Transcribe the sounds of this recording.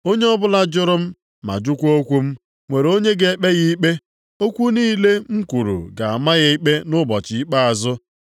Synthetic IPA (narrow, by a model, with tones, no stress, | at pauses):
o˦ɲe˦ɔ˦bʊ˦la˦d͡ʒʊ˦ɾʊ˦m̩˦ | ma̰˨d͡ʒʊ˦kʷo˦kʷu˦m̩˦ | ŋʷe˨ɾo˦ɲe˦ɡe˨˦k͡pe˦ɣi˦k͡pe˦ | o˦kʷu˦niː˦le˦ŋ̩˦kʷu˨ɾṵ˨ɡa˨a˨ma˦ɣa˦i˦k͡pe˦nʊ˦bɔ˨t͡ʃɪ˨i˦k͡pa˦a˨zʊ˦